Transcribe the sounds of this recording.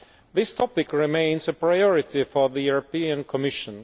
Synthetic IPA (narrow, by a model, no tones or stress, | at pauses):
ðɪstʰɔpɪkɹɪmẽɪ̃nsəpʰɹaɪɔɹɪt̪ifɔðəjuɹɔpiə̃nkʰɔmɪʃə̃n